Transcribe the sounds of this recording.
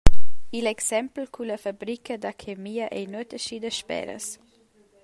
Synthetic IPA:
ilɛksɛmpl̩kʰulɐfabɾikʰəd̪akʰemiəʔɛjnuət̪əʃid̪əʃpɛ̰ɾə̰s

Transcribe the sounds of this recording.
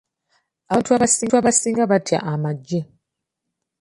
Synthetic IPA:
aantʰuaβasiuaβasiŋɡaβatʰia̰ʔamaɟːe

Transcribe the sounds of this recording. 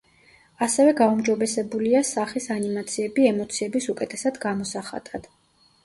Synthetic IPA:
asɛvɛɡaumd͡ʒɔbɛsɛbuliasaχisanimat̪sʰiɛbiɛmɔt̪sʰiɛbisukʼɛt̪ʼʰɛsad̪ɡamɔsaχa̰t̪ʼad̪̥

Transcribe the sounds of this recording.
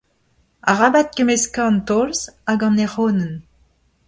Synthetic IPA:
aʁabat̪̚kemeskaɑ̃nt̪ɔlzaɡɑ̃neʁoːnən

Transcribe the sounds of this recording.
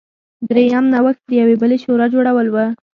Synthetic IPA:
d̪ɾejamnawəxt̪̚d̪əjawebəleʃoɾɑd͡ʒoɽawəlwə

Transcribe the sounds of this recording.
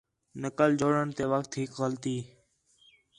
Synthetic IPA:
nəkəld͡ʒoːɽəɳt̪eːʋəkt̪ɦɪkɣəlt̪iː

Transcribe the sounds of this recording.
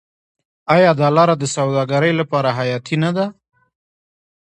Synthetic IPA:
ɑjɑd̪ɑlɑɾad̪əsawd̪ɑɡaɾəjlapɑɾaɦajɑt̪ʰinad̪a

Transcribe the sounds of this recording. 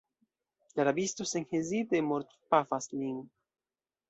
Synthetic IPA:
laɾabist̪oseŋhezid̪emoɾt̪pafasliŋ

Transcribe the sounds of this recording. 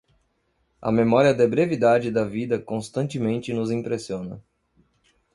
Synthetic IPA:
ɐ̰memɔɾiɐd̪ebɾevid̪ad͡ʒɪd̪ɐvid̪ɐkõst̪ɐ̃nt͡ʃɪmẽnt͡ʃɪnʊzĩpɾesiõnɐ̰

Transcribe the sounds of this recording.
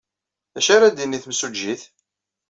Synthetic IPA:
ðæʃaɾad̪inːiθmsud͡ʒːiθ

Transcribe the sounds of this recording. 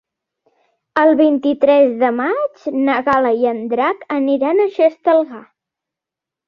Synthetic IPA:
əlˠβint̪it̪ɾɛzðəmad͡ʒnəɣaləjənd̪ɾakəniɾanəʃəst̪əlˠɣa

